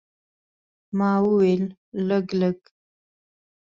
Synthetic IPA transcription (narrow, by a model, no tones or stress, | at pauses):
mɑːwəwel | ləɡləɡ